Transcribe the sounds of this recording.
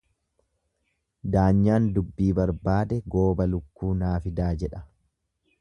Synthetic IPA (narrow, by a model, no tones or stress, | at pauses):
d̪aːɲːaːnd̪ʊbːiːbɐɾbaːd̪ɛɡo̞ːbɐlʊkːuːnaːfɪd̪aːd͡ʒɛᶑɐ